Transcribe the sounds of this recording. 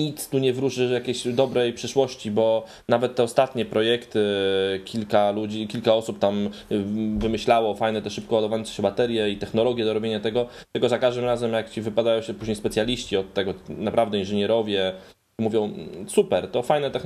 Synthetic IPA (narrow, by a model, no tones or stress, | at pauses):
it̪st̪uɲɛvɾuʂɘjakʲeɕd̪ɔbɾɛjpʂɘʂwɔɕt͡ɕibɔ | navɛt̪ːɛɔst̪at̪ɲɛpɾɔjɛkt̪ɘkʲilkalud͡ʑikʲilkaɔsup̚t̪am | vɘmɘɕlawɔfajnɛt̪ɛʂɘp̚kɔwad̪ɔvaɔnsɛɕɛbat̪ɛɾʲjɛit̪ɛxnɔlɔɡʲjɛd̪ɔɾɔbʲjeɲat̪ɛɡɔt̪ɘlkɔzakaʐd̪ɘmɾazɛmjakt͡ɕivɘpad̪ajɔ̃w̃ɕɛpuʑɲejspɛt̪sjalʲiɕt͡ɕiɔt̪ːɛɡɔnapɾavd̪ɛinʐɘɲɛɾɔvʲjɛ | muvʲjɔ̃w̃supɛɾt̪ɔfajnɛt̪ɛx